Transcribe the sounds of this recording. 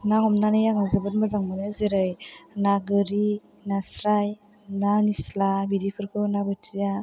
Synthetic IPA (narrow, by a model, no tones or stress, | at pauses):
naŋɔmnanɯjaŋazɯbɯt̚mɯdaŋmɯneziɾɯjnaɡɯɾi | nasɾaj | nanislabidipʰɯɾkʰɯnabɯtija